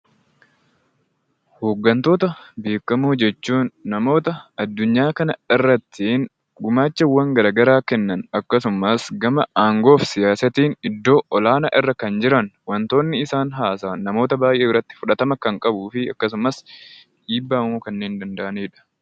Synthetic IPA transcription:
ho̞ːɡːɐnt̪o̞ːt̪ɐbeːkːɐmuːd͡ʒɛt͡ʃːuːnːɐmo̞ːt̪ɐɐd̪ːʊɲːaːkɐnɐɪrːɐt̪ʰːɪn | ɡʊmaːt͡ʃːɐwːɐŋɡɐɾaːɡɐɾaːkɛnːɐnɐkːɐsʊmɐsɡɐmɐaːŋɡo̞ːfsɪjaːsɐt̪iːnɪd̪ːo̞ːʔɔlaːnɐʔɪrːɐkɐnd͡ʒɪɾɐnwɐnt̪o̞ːnːɪɪsaːnɦaːsaːɐmo̞ːt̪ɐbaːjʔe̞ːɪrːɐt̪ːɪ̥fʊᶑɐt̪ɐmɐkɐŋkʼɐbuːfɪɐkːɐs̬ʊmɐs | ᶑiːbːaːmuːkɐnːe̞ːnd̪ɐnd̪ɐʔɐneːᶑɐ̥

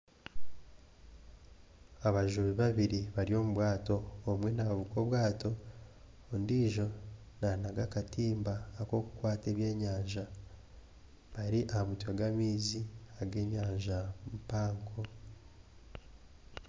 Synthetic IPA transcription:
aβaʒuβiβaβiɾiβaɾio̞muβwaːto̞ːmwe̞naβaβukoβwaːto̞ː | ndiːʒo̞ | nanaɡakatiːmbaːko̞kukwaːte̞ːβje̞ːɲaːɲʒa | βaɾiʔahamutwaɡamiːziaɡe̞ːɲaːɲʒamupaːŋkʰo̞

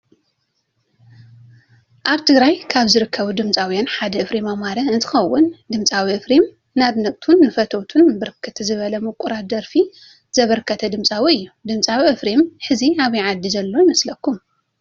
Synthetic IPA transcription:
ʔaβt̪ʰɨɡɾajkʰaβzɨɾɨkʰːɐβud̪ɨmt͡sʼawjanħad̪ɐʔɨfɾimamaɾɐɨnt̪ʰɨ̥xɐwːʊnd̪ɨmt͡sʼawiʔɨfɾim | naβnɐkʼt̪ʰunːɨfɐt̪ʰɐwt̪ʰunbɨɾɨkʰːɨt̪ʰzɨβɐlɐmɐkʼuɾad̪ɐɾfi | z̥ɐβɐɾkʰːɐt̪ʰɐd̪ɨmt͡sʼawiɨjːud̪ɨmt͡sʼawiʔɨfɾemħɨziaβjʕad̪ːizɐlːo̞jɪmɐslɐkʰːum

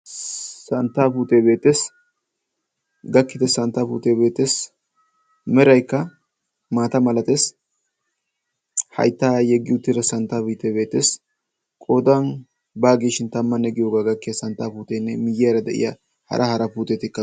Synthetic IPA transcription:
sɐnt̪ːaːpuːt̪eːbe̞ːt̪ːeːs | ɡɐkːɪt̪ɛsɐnt̪ːaːpṵːt̪eːbe̞ːt̪ːeːs | mɛɾɐjkːɐ | maːt̪ɐmɐlɐt̪eːs | hɐ̰jt̪ːaːjɛɡːɪʊt̪ːɪɾɐsɐnt̪ːaːpuːt̪ːebe̞ːt̪ːeːs | kʼoːd̪ɐn | baːɡiːʃɪnt̪ɐmːɐnːɛɡɪjoːɡaːɡɐkːɪsɐnt̪ːaːpuːt̪enːɛmɪjːɪjɐɾɐd̪ɛ̰ʔɪ̰ja | hɐ̰ɾʔɐhɐɾɐpuːt̪et̪ɪkːɐ

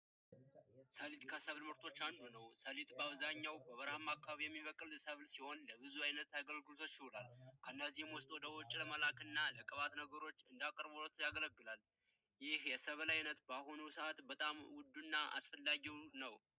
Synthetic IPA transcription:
səlit̪ʼkʰəsəβlmɨɾt̪ʰo̞t͡ʃːand̪unəwsəlit̪ʼbəaβzaɲːawbəβəɾhmakʰːaβaβijɛmːiβəkʼɨlsəβlsiho̞nləbɨzuajnət̪aɡəlɡɨlot̪ʰo̞t͡ʃːjɪhulalkʰənːəzijɛmwɔst̪ʼwɔd̪əwɔt͡ʃʼːləməlakɨnːaləkʼəβat̪nəɡəɾo̞t͡ʃːɨnd̪akʼəɾbolət̪ʰjaɡələɡːɨlal | jɪhjɛsəβəlajnət̪bahonusəʔat̪bət̪ʼamwʊd̪ːunːaʔa̰sfəlːaɡiwnəw

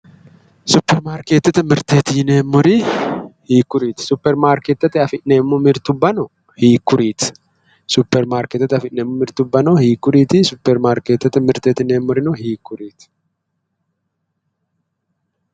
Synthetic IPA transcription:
sʊpːɛɾmaːɾkeːt̪ːɐt̪ɐmɪɾt̪eːt̪ɪɪneːmːɔɾihiːkːʊɾiːt̪ɪ̥sʊpːɛɾmaːɾkeːt̪ːɐt̪ːɪɐfɪʔneːmːʊmɪɾt̪ʊbːɐnɔ | hiːkːʊɾiːt̪ɪ̥ | sʊpːɛɾmaːɾkɛt̪ːɐt̪ːɐfɪʔneːmːʊmɪɾt̪ʊbːɐnɔhiːkːʊɾiːt̪ɪsʊpːɛɾmaːɾkeːt̪ːɐt̪ɐmɪɾt̪eːt̪ɪneːmːɔɾɪnɔɦiːkːʊɾiːt̪

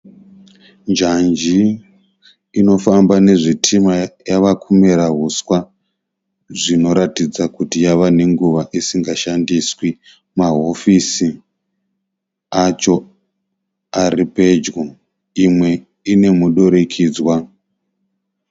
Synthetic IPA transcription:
nd͡ʒand͡ʒi | no̞fambane̞ʐitʰimajaʋakʰume̞ɾaɦuswa | ʐino̞ɾatid͡zakutijaʋane̞ŋɡuʋaʔisiŋɡaʃandiswi | maɦo̞fisi | at͡ʃo̞ | aripe̞d͡ʒɡo | imwe̞ | ine̞muɗo̞ɾe̞kʰiːd͡zwa

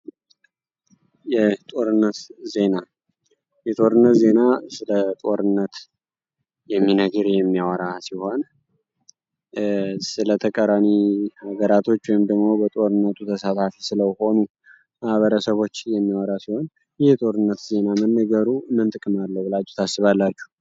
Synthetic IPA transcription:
jɛt̪ʼo̞ɾɨnːət̪ze̞na | jɛt̪ʼo̞ɾɨnːət̪ze̞nasɨlət̪ʼo̞ɾɨnːət̪ | jɛmːinəɡɨɾjɛmːijawɔɾasiho̞n | sɨlət̪ʰəkʼəɾamihaɡəɾat̪ʰo̞t͡ʃːwɔjmd̪əɡmo̞bət̪ʼo̞ɾɨnːət̪ʰut̪ʰəsat̪ʰafisɨləho̞nu | mahβəɾəsəβo̞t͡ʃːjɛmːiwɔɾasiho̞n | jɪhjɛt̪ʼo̞ɾɨnːət̪ze̞namənːəɡəɾumɨnt̪ʼɨkʼɨmalːəbɨlad͡ʒɛt̪ʰasɨβalːat͡ʃːu̥

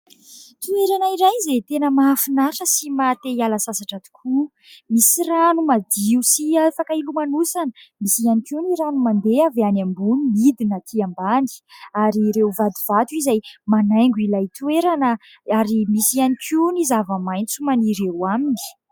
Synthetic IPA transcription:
t̪ueɾanaiɾajzajt̪enəmaːfinaʈ͡ʂəsimat̪eialasasaʈ͡ʂat̪i̥kʰu | misiranumad̪iusiafakəilumanusanəmisianikiuniɾanumand̪eaveanambuniid̪inat̪ʰiambani̥aɾiɾewvad̪ivat̪izajmanajŋɡilajt̪ueɾanə | aɾimisianikʰunizavəmajnt͡sumaniɾewamini̥

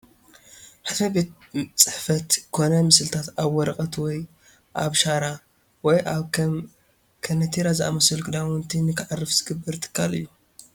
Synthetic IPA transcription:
ħad̪fɐbet̪ | t͡sʼɨ̥ħfɐt̪kʰo̞nɐmɨsɨlɨt̪ʰat̪aβwɔɾɐkʼɐt̪wɔj | ʔaβʃaɾa | wɔjʔaβʰɐm | kʰɐnɐt̪ʰiɾazɨʔa̰mɐsɨlkʼɨd̪aʊnt̪ʰinɨkʰɨʕarːɨfz̥ɨɡɨbːɐɾt̪ʰɨ̥kʰːalɨ̰jːu

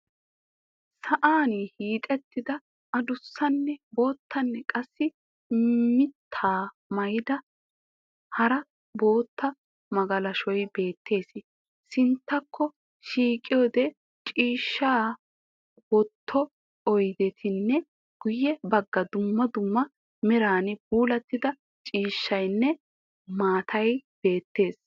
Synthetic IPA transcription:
sɐʔaːnihiːt̪ʼɛt̪ːɪd̪ɐ | ʔɐd̪ʊsːɐnːɛbo̞ːt̪ːɐnːɛkʼɐsːɪ | mɪt̪ʰːaː | mɐjɪd̪ɐ | hɐɾɐ | bo̞ːt̪ːɐ | mɐɡɐlɐʃɔjbe̞ːt̪ʰːe̞ːsɪ | sɪnt̪ːɐkʰːɔ | ʃiːkʼɪjoːd̪ɛ | t͡ʃʼiːʃːaː | wɔt̪ʰːɔ | ɔjd̪ɛt̪ʰɪnːɛ | ɡ̥ʊjːɛbɐɡːɐd̪ʊmːɐd̪ʊmːɐ | mɪɾaːnɪbuːlɐt̪ːɪd̪ɐ | t͡ʃʼiːʃːɐjnːɛ | maːt̪ʰɐjb̥e̞ːt̪ːe̞ːs

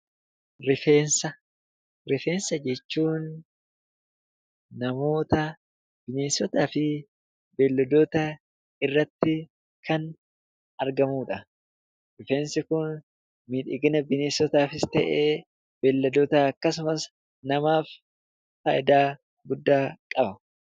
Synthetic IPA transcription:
ɾɪfe̞ːnsɐ | ɾɪfe̞ːnsɐd͡ʒɛt͡ʃːuːn | ɐmo̞ːt̪ɐ | b̥ɪneːsɔt̪aːfɪ | bɛlːɐd̪oːt̪ɐ | ɪrːɐt̪ːɪ | kʰɐn | ɐɾɡɐmuːᶑɐ | ɾɪfeːnsɪkʊn | miːᶑɪɡɪnɐbɪneːsɔt̪aːfɪst̪ɛʔeː | bɛlːɐd̪oːt̪aɐkːɐs̬ʊmɐs | nɐmaːf | fɐːjd̪aː | ɡʊd̪ːaːkʼɐbɐ

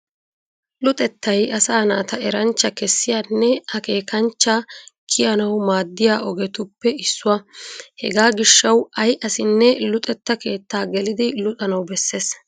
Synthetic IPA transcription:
lʊt̪ʼɛt̪ːɐjɐsaːnaːt̪ɐɛɾɐnt͡ʃːɐkɛsːɪjanːɛɐke̞ːkɐnt͡ʃːɐkʰɪjɐnɐwmaːd̪ːɪjaːʔɔɡɛt̪ʊpːɛɪsːʊwɐhɛ̰ɡaːɡɪʃːɐwɐjʔɐsɪnːɛlʊt̪ʼɛt̪ːɐke̞ːt̪ːaːɡɛlɪd̪ɪlʊt̪ʼɐnɐwbɛsːe̞ːs

